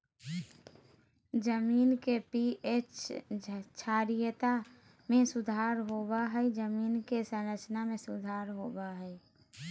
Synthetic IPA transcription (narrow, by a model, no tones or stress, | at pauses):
d͡ʒəmiːnkepiet͡ʃ | t͡ʃʰaːɾijət̪a | mẽsud̪ʱaɾɦobaɦəjd͡ʒəminkesə̃nɾət͡ʃnamẽsud̪ʱaɾɦobaɦəe